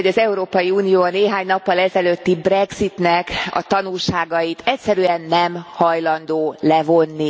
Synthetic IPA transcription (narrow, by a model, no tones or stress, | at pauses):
ɟɒzɛuɾoːpɒjiuːnijoːɒneːɦaːɲnɒpːɒlɛzɛløːt̪ːibrɛɡz̥it̪nɛkɒ̰t̪ɒnulʃaːɡɒjit̪ɛcsɛɾyɛnːɛmhɒjlɒnd̪oːlɛvo̞nːi